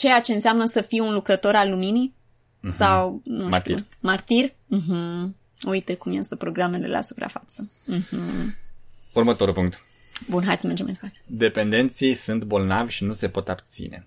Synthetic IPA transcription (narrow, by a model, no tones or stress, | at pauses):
t͡ʃe̞jat͡ʃe̞ɨnseamnəsəfiunlukɾət̪o̞ɾalːumini | sawnuamart̪ir | m̩ɦm̩ | ujt̪e̞kumjest̪əpɾo̞ɡɾame̞le̞̰la̰su̥pɾa̰fat̪səm̩ɦm̩ | urmət̪o̞ɾulpuŋk̚t̪ | bunɦajd̪səmerd͡ʒemajd̪epart̪ed̪e̞pe̞nd̪e̞nt̪siejsunt̪bo̞lnavʲʃinuse̞po̞t̪abt̪sḭne̞̰